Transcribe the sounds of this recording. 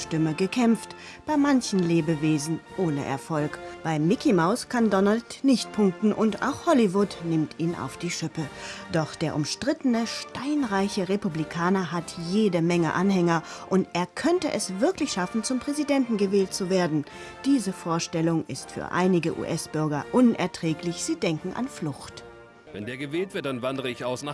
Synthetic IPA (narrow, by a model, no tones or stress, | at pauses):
ʃtɪməɡəkʰɛmft | b̥aɪmançn̩leːbəveːzn̩ʔoːnə̰ʔɛ̰ɐfɔlkb̥aɪmɪkimaʊskʰandɔnaltnɪçt̚pʰʊŋk̚tn̩ʔʊnta̰ʊxhɔlivʊtnɪmtiːnʔa̰ʊfd̥iːʃʏpəd̥ɔχd̥eːɐʔʊmʃtʁ̥ɪtənəʃtaɪnʁaɪçəʁepublikʰaːnɐɦatjeːdəmɛŋə̰ʔanhɛŋɐʔʊntʔeːɐkʰœntəʔɛsv̥ɪɐklɪçʃafn̩t͡sʊmpʁ̥ɛzidɛntn̩ɡəvɛːlt̚t͡suveːɐdn̩d̥iːzəfoːɐʃtɛlʊŋɪstfy̰ːɐʔa̰ɪnɪɡəʔṵːʔɛsb̥ʏɐɡɐ̰ʔʊnʔɛ̰ɐtʁ̥ɛːklɪçz̥iːdɛŋkŋ̩ʔa̰nflʊxt | vɛ̰ndeːɐɡəvɛːltv̥ɪɐt̚d̥anvandəʁəɪçaʊsna